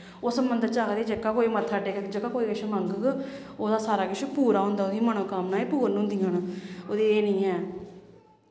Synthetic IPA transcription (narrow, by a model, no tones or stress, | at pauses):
oːsəmbənd̪t͡ʃaːkd̪eːd͡ʒəkːaːkoːiːmət̪ʰːaːɖeːkd͡ʒəkːaːkoːiːkəʃməŋɡəɡ | oːd̪aːsaːɾaːkɪʃpuːɾaːɦʊ̃nd̪aːʊd̪iːməñõːkaːmnaːiːpuːɾnɦʊnd̪iːɦanoːd̪eːeːnĩːɛː